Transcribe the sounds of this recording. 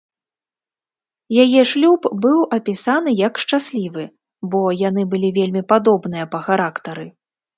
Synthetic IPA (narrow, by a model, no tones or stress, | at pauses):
jajɛʂlʲupbɨwʔɐpʲisanɨjɐkʂt͡ʂasʲlʲivɨ | bɔjanɨbɨlʲivʲelʲmʲipad̪ɔbnɨjɐpɐxaɾakt̪ɐɾɨ